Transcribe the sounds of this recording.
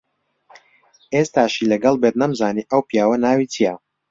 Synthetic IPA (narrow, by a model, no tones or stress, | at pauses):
ʔeːst̪aːʃilɐɡɐlˠbet̪̚nɐmzaːniːʔəwpijaːwɐnaːwit͡sʰija